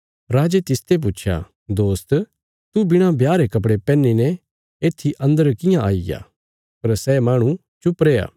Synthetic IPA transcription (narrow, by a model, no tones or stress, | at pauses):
ɾaːd͡ʒet̪ɪst̪ep̬uːt͡ʃʰja̰ | d̪oːst̪ | t̪ubɪɽ̃ãbjaːɾekɐp̬ɽepɛːnːinɛ | eːt̪ʰːiʔɐ̃nd̪əɾkɪjãʔaːija̰ | pɐɾsɛːmaːɽ̃ũ | t͡ʃʊpɾeːja̰ː